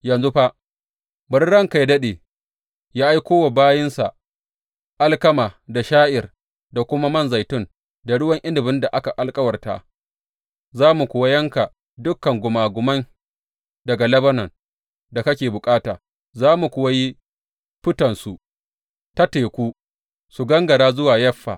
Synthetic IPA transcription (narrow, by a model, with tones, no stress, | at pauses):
jɐ˨nzu˦ɸa˦ | bɐ˦ɽɽɐ˦ŋka˨jdɐ˦ɗeː˨ | jaː˦ʔa˦jkʷoː˦wa˨baː˦jɪ˦nsa̰˨ | ʔa˦lkɐ˦maː˨da˨ʃaː˦ʔɪ˨r | da˨kʷʊ˦ma˦mɐ˦˨nza˨jtʊ˦n | da˨ɽʊ˦wɐ˦ŋʔɪ˦ndɪ˨bɪ˦nda˨ʔa˦ka˨ʔa˨lkʼɐ˦wɐ˨rta̰˦ | zaː˦mu˨kʷʊ˨wa˦jɐ˦ŋka˨ | dʊ˦kːɐ˨ŋɡʷʊ˨maː˨ɡʷʊ˨mɐ˦n | dɐ˨ɡa˨lɐ˦bɐ˦nɐ˨n | da˨kɐ˦kʲeː˨bʊ˨kʼaː˦taː˨ | zaː˦mu˨kʷʊ˨wa˦ji˦ | ɸɪ˦tɐ˨nsu˨ʔ | ta˦teː˨kʷuː˦ | su˨ɡɐ˦ŋɡɐ˨ɽaː˦zʊ˦waː˨jɐ˦ɸːa̰˨